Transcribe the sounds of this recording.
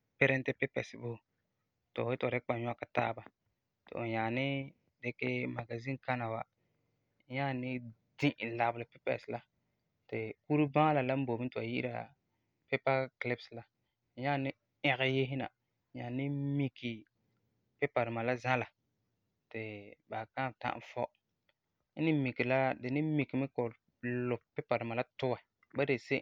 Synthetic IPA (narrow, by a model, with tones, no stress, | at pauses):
pe˦ɾɛ˦n˦tɪ˦pe˦pɛ̰˨sɪ˨bo˦˨ | to̰˨o˨e˦to˨ɾɪ˦k͡pa˨ɲ˦a˦ka˨ta̰ː˦ba˦ | tɪ̰˨ʔo̰˨ɲa˨nɪ˦ | de˦ke˦ma˨ɡa˨zĩ˦ka˦na˨wa˦ | ɲa˦˨nɪ˦ | dĩ˦ʔla˨blɪ˨pe˦pɛ̰˨sla˦ | tɪ˨ku˦ɾu˦ba˦la˨la˦m̩˦bo˨mi˦ntɪ˨a̰˨jḭ˦ʔɾa̰˨ | pɛ˦pa˦klɪ˦bsla˦ | ɲa˦˨nɪ˦ | ɪ˨ɣɪ˦je˦ɦɪ˦na̰˨˦ | ɲa˨nɪ˦mi˦kʰːi˨ | pɪ˦pa˨dɪ˨ma˨la˦za˦la˨ | tɪ˨ba˨kã˦˨ta̰˦ʔfɔ˦ | n̩˦nɪ˦mi˨kːi˨la˦dɪ˨nɪ˦mi˨ki˨mɪ˦ko˨ | lʊ˨pɛ˦pa˨dɪ˨ma˨la˦tʊ˦wa˨ | ba˦de˨se˦